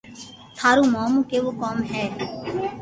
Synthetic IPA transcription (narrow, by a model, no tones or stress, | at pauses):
t̪ʰaːɾuːmaːmũːkeːʋoːkaːmɦɛː